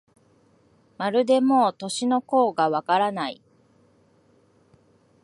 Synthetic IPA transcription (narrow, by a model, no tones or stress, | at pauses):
maɾɯ̟d̪e̞mo̞ːt̪o̞ɕino̞ko̞ːɡaβakaɾanai